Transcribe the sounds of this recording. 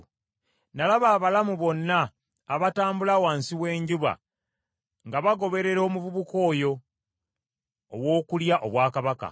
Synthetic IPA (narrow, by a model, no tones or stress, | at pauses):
nalaβaːβalamuβo̞nːaː | βataːmbulawaːnsiwe̞ːɲɟuβa̰ | ŋɡaβaɡo̞βe̞ɾe̞ɾo̞ːmuβuβuko̞ːjo̞ | βwo̞ːkuljaʔoβwaːkaβaka̰